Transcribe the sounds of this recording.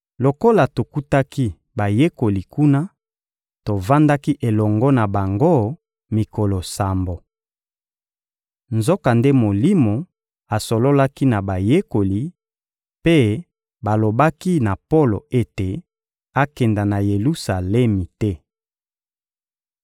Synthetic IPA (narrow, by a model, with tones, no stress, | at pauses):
lo˨ko˦la˨to˨ku˦ta˦ki˦ | ba˨je˦ko˨li˨ku˦na˦ | to˨va˦nda˦ki˦ʔe˨lɔ˨ŋɡɔ˦na˨ba˨ŋɡo˦ | mi˨ko˨lo˨sa˨mbo˨ | nzo˦ka˨nde˦mo˨li˦mo˨ | a˨so˨lo˦la˦ki˦na˨ba˨je˦ko˨li˨ | pe˦ | ba˨lo˨ba˦ki˦na˨po˦lo̰˨e˦te˨ | a˦kɛ˨nda˨na˨je˨lu˦sa˨lɛ˦mi˨tɛ˦